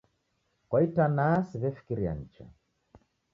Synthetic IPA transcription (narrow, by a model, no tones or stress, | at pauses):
kwaitanasiβɛfi̥kiɾia̰ɲ̩t͡ʃa̰